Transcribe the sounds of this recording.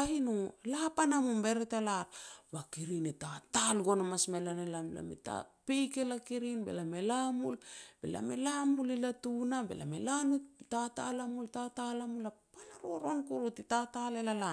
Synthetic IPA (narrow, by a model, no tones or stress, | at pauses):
ahinulapanamumbe̞ɾetalaɾβakiɾinetatalɡo̞namasmelanelamla̰mḛta̰pejke̞lakiɾinbe̞̰lame̞lamulb̥e̞̰la̰me̞lamulilatunabḛla̰melanutatalamultatalamulapanaɾuoɾo̞nkuɾutitatalelala